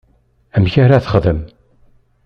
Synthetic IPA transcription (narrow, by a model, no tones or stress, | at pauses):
æmçaɾaθə̥χðəm